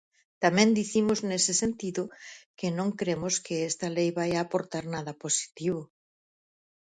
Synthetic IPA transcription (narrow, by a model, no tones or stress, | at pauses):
t̪amɛ̃nd̪iθimʊznesɪsent̪iðʊkɪnõŋkɾemʊskɪest̪ɐlejβajaːpoɾt̪aɾnaðɐposi̥t̪iβ̞ʊ